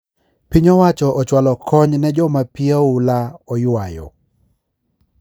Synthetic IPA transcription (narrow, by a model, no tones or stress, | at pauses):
piɲɔwat͡ʃɔʔɔt͡ʃwalɔkʰɔɲnɛd͡ʒɔmapiaulaɔjʊajɔ̰